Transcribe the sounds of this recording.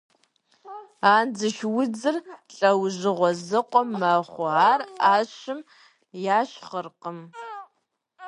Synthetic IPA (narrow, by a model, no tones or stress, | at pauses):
aːnd͡zɨʃwʊd͡zɨrɬʼɐwʑɨʁʷɔzɨqʷʼɔmːaχʷʊaːraːɕɪm | jaːɕχərqəm